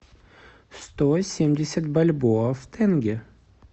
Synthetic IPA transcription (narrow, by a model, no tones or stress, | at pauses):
st̪osʲemdʲɪsʲət̪bɐlʲboft̪ʰɛnɡʲɪ